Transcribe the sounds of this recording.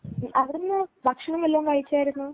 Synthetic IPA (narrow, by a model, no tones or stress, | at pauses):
ʔɐʋɾunːɨbɐkʂɐɳɐŋːelːaːmkaːjit͡ɕːaːjiɾunːu